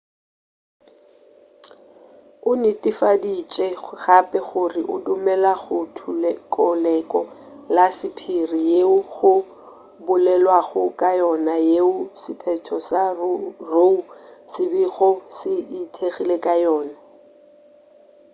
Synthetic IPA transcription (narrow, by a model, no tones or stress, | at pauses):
ʊnɪtʼifadit͡ʃʼɛχapʼɛχʊrɪʔʊdʊmɛlaχʊtʰkʼɔlɛkʼɔlasɪpʰirijeʊχʊ | bʊlɛlwaɣʊkʼajɔnajeʊsɪpʰɛtʰɔsarousɪbiɣɔsɪitʰeɣilekʼajɔːna